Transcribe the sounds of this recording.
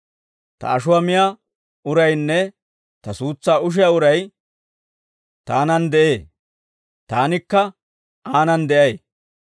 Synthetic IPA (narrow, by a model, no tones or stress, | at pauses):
t̪ɐ̰ɐʃʊwɐmɪja | ʊɾɐjnːɛ | t̪ɐsuːt͡sːaːʊʃ̬ɪjaʊɾɐj | t̪aːnɐnd̪ɛʔeː | t̪aːnɪkːɐ | aːnɐnd̪ɛʔɐj